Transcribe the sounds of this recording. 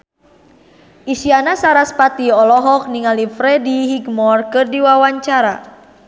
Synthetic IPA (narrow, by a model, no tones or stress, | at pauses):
ʔisianasaɾaspat̪iɔlɔɦɔk̚niŋalifɾɛdiɦiɡmɔrkɨrdiwawaɲt͡ʃaɾa